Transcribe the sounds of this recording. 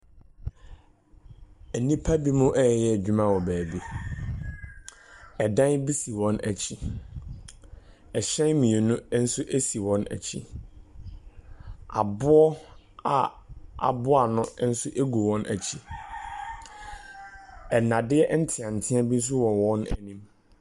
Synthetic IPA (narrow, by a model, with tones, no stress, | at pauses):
æ˨nĩ˦pʰa˦bi˦mʊ̃˦ʔɛ˦˨ɛ˨jɛ˦˨d͡ʑᶣu˦mã˦wɔ˨bæː˨bi˦ | ɛ˨dã˦nbi˦si˨wɔ̃˦næ˨t͡ɕʰi˦ | ɛ˨ɕɛ̃˦nmĩ˨e˨nʊ̃˦n̩˦sʊ˦ʔe˦si˨wɔ̃˦næ̰˨t͡ɕʰi˦ | a˨bʊ˦ɔ˦a˨ | a̰˨bʊ˦a˨nʊ̃˦n̩˦sʊ˦ʔe˦ɡu˨wɔ̃˦nʔæ̰˨t͡ɕʰi˦ | ɛ˨nã˨dɪ˦ɛ˦ʔn̩˦tʰɪ̃˨ã˨n̩˨tʰɪ̃˦a˦bi˦n̩˦s̬ʊ˦wɔ̃˨wɔ̃˦næ̰˨nĩ˦m